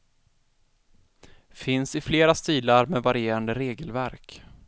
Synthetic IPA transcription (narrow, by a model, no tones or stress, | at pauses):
fɪnsɪfleːɾast̪iːlaɾmɛvaɾɪjeːɾand̪əɾeːɡəlvæɾk